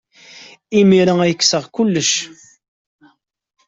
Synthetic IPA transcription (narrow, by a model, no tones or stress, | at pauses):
imiɾaæjəkːsəʁkulːəʃ